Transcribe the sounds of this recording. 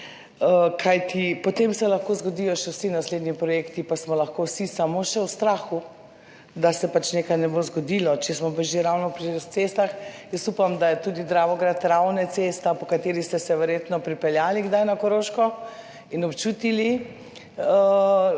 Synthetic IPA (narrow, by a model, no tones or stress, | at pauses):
əkʰajt̪ʰipɔt̪emsɛlɐxkozɡɔd̪ijɔʃɛwsinasleːd̪ɲipɾɔjeːkt̪ipasmɔlaxkowsisamoʃɛwst̪ɾaːxu | d̪asɛpat͡ʃnekajnɛbozɡɔd̪ilɔt͡ʃɛsmɔpaʒiɾawnɔpɾit̪sest̪axjəst̪upamd̪ajɛt̪uːd̪id̪ɾaːʋɔɡɾat̪ɾawnɛsest̪apɔkat̪eːɾist̪ɛsɛʋɛɾjet̪nɔpɾipɛljaːliɡd̪ajnakɔɾoːʃkɔ | inɔpt͡ʃuːt̪ili | ə